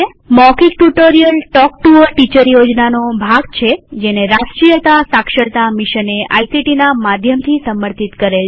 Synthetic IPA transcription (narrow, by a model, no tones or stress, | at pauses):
mɔkik̚ʈuʈoɾijəlʈɔk̚ʈuəɾʈit͡ʃəɾjod͡ʒnanobʱaɡt͡ʃʰed͡ʒeneɾasʈɾijət̪asakʃəɽt̪amiʃənea̰isiʈinamad̪ʱjəmt̪ʰisəməɾt̪ʰit̪kəɾel